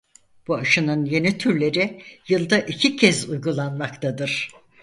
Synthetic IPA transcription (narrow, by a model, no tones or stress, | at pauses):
b̥uaʃɯnɯnje̞nit̪ʰyɾlʲe̞ɾijɯlˠd̪aʔicʰicʰɛzujɡulˠanmakt̪ʰad̪ɯɾ̥